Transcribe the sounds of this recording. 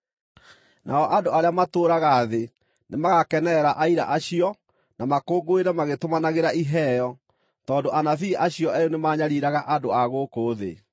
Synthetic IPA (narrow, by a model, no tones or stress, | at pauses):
nʔa̰ɔʔandoaɾeamatoːɾaɣaːðe | nemaɣakɛnɛɾaʔaiɾa̰ʔaɕiɔ | namakoːɡoeɾamaɣetomanaɣeɾaʔiɦɛjɔ | tɔːndoʔanafiːʔaɕiɔʔɛjonemaːɲaɾiɾaɣaʔadoaɣoːkoːðḛ